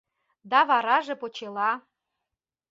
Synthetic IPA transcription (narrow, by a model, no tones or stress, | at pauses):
d̪ɑβɑɾɑʒĕpot͡ɕelɑ